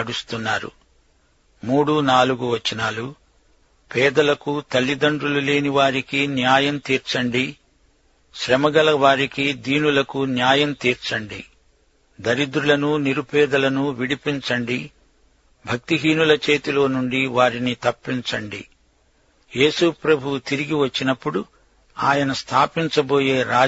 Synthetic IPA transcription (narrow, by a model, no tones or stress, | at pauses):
ɐɽust̪unːaːɾṵ | muːɽunaːluɡuʋɐt͡ʃːinaːlu | pɛːd̪ɐlɐkut̪ɐlːid̪ɐɳɖɾulule̞ːniʋaːɾikinjaːjɐmt̪iːɾt͡ʃɐɳɖi | ʃɾɐmɐɡɐlɐʋaːɾikid̪iːnulɐkunjaːjɐmt̪iːɾt͡ʃɐɳɖḭ | d̪ɐɾid̪ɾulɐnuniɾupɛːd̪ɐlɐnuʋiɽipiɲt͡ʃɐɳɖi | bʱɐk̚t̪iɦiːnulɐt͡ʃe̞ːt̪ilo̞ːnuɳɖiʋaːɾinit̪ɐpːiɲt͡ʃɐɳɖḭ | jeːsupɾɐbʱuwut̪iɾiɡiʋɐt͡ʃːinɐpːuɽu | aːjɐnɐst̪ʰaːpiɲt͡ʃɐboːje̞ːɾaː